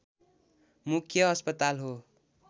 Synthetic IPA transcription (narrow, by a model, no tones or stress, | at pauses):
mukʰjʌʌspʌt̪alɦo